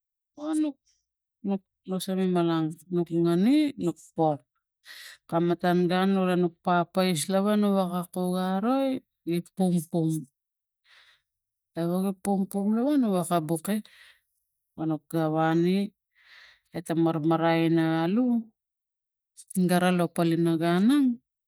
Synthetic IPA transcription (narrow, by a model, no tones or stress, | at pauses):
onuk̚ | nuk̚ | nosamimalaŋnukŋaninuk̚pon | kamatanɡanolanuk̚papajs̬laβanuβakakuɡaɾo̞j | ɡipuŋpuŋ | aβoɡipumpumlaβanuwakabuke | wanuk̚ɡaβani | etamaɾmaɾajnaalu | ɡaɾalopalinaɡanaŋ